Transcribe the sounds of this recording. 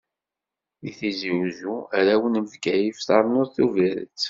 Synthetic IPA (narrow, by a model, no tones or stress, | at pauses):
iθiziwzuæɾæwənməvɡæjifθɑɾˤnʊɾθuviɾə̰t͡sː